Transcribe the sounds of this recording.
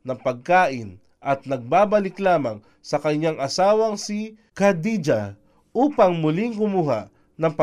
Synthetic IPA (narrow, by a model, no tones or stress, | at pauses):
nɐŋpɐɡ̚kaːʔɪn | ʔɐt̪̚nɐɡ̚baːbɐlɪklaːmaŋ | sɐkɐɲːaŋʔɐsaːwɐŋsi | kɐd̪id͡ʒa | ʔuːpaŋmʊliŋkʊmuːɦa̰ʔ | nɐŋp